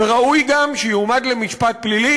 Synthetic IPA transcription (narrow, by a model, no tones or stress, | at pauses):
eʁaʔujɡamʃejumad̪lemiʃpat̪̚plili